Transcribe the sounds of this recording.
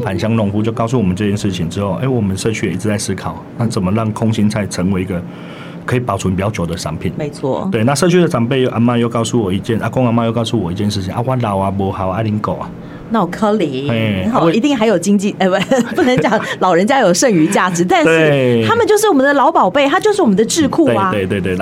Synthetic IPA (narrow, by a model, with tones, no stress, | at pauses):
pʰa˨nɕjɑ˥ŋlʊ˥˧˩ŋfu˧t͡ɕjo˥˧ʊkɑ˥˧ʊs̬u˥˩wɔ˨˩mə˦ʈ͡ʂɤ˥˧t͡ɕjɛ˥˧nʂɻ̩˥˩t͡ɕʰi˨ŋʈ͡ʂɻ̩˥xo˥˩ʊʔḛ˥˩ɪwɔ˨˩mə˨nʂɤ˥˧t͡ɕʰy˥˩ji˥t͡s̩ʰ˧t͡sa˥˩ɪsɹ̩˥kʰɑ˨˩ʊna˥˩t͡sə˨˩nmə˦ɻɑ˥˩ŋkʰʊ˥ŋɕi˦˥nt͡sʰa˧˥ɪʈ͡ʂʰə˧˥ŋwe˧ɪi˧ɡə˧ | kʰɤ˧˥i˨˩pɑ˨ʊt͡sʰwu˦pi˨˩t͡ɕjt͡ɕjo˨˩d̪ə˦ʂɑ̰˧˥ŋpʰḭ˨˩˦nme˧˥ɪt͡sʰwɔ̰˥˩t̪we˥˩ɪna˥˧ʂɤ˥˧˩t͡ɕʰy˥˩ə˨ʈ͡ʂɑ˨˩ŋpe˥˧ɪjo˥˧ʔa˧˥nma˥˧jo˥˧ʊkɑ˥˧ʊsu˥˩wɔ˨˩i˧˥t͡ɕjɛ˥˩nʔa˦kʊ˥ŋa˧˥nma˥˧jo˥˧ʊkɑ˥˧ʊsu˥˩wɔ˨˩i˧˥t͡ɕjɛ˥˧nʂɻ̩ʰ˥˩i˨ŋʔa̰˥˧wa˥˩lɑ˨˩˦ʊa˨bɔ˧˥xa˨˦ʊa˥˩li˧˥nko˨˩ʊa˨˦ | na˥˩wkʰɤ˥li˨˩˦e˥˩˨wi˧˥t̪i˥˩ŋxa˧ɪjo˨˩ʊt͡ɕi˥ŋt͡ɕi˥˩e˥˩wpu˥˩nə˧˥ŋt͡ɕjaɑ˨˩˦ŋlɑ˨˩ʊɻə˧˦nt͡ɕja˥jo˨ʊʂə˥˧˩ŋy˧˥t͡ɕja˥˩ʈ͡ʂɻ̩˧˥t̪a˥˧nt̪ʂɻeɻ̩˥˨˥t̪ʰa˥mə˨nt͡ɕjo˥˧ʊʂɻ̩˥˩wɔ˨˩mə˨˦nd̪ə˩lɑ˧˥ʊpɑ˨˩ʊpe˥˩ɪt̪ʰa˥t͡ɕjo˥˧ʂɻ̩˥˩wɔ˨˩mə˦nd̪ə˧ʈ͡ʂɻ̩˥˧kʰu˥˨t̪e˧a˨˦we˥˧ɪt̪we˥˧t̪we˥˧